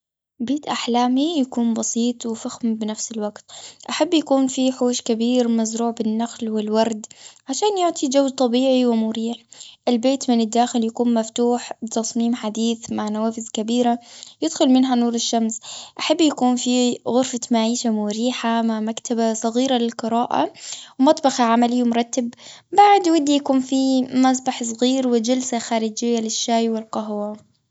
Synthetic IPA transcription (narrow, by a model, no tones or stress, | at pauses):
beːt̪ʔaħlaːmijakuːnbɑsˤiːt̪ˤwɪfaxmbɪnafsɪlwaɡt̪ʔaħabːjakuːnfiħuːʃkabiːɾmazɾuːʕbɪnːaxlwɪlwɑɾˤd̪ʕaʃaːnjʊʕt̪ˤʰid͡ʒawd̪̚t̪ˤɑbiːʕiwɪmʊɾiːħʔɪlbeːt̪mɪnɪd̪ːaːxɪljakuːnmaft̪uːħbɪt̪ɑsˤmiːmħad̪iːθmaʕnawaːfɪzkabiːɾajɪd̪xʊlmɪnɦanuːɾɪʃːamsʔaħabːjakuːnfiɣʊɾfamaʕiːʃamʊɾiːħamaʕmakt̪ʰabasˤɑɣiːɾalɪlqɨɾaːʔa̰wmɑt̪ˤbɑxaʕamalɪjːmʊɾˤɑt̪ːab | baʕd̪wad̪ːijakuːnfimasˤbaħs̬ˤɣiːɾwɪd͡ʒalsaxaːɾɪd͡ʒɪjːalɪʃːaːjwɪlqɑɦwa